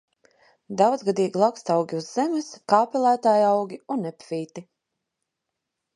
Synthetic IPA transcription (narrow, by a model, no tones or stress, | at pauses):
d̪awd̪zɡad̪iːɡilˠakst̪awɡʲiuzːɛmʲɨskaːpɛlˠæːt̪aːjawɡʲiunːɛpviːt̪i